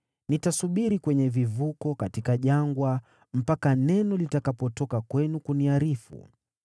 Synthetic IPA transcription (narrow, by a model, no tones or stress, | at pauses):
nitasuɓiɾikwɛɲɛvivukɔkatikaʄaŋɡwa | m̩pakanɛnɔlitakapɔtɔkakwɛnukuniaɾifṵ